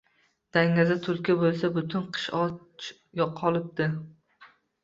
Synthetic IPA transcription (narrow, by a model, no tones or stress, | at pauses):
d̪̥aŋːazat̪ʰʊɾkʲabolˠs̬abʊt̪ʰɪnqʰɨ̥ʃɒ | t͡ʃ | jɒqʰɒlˠɪp̚d̪ɪ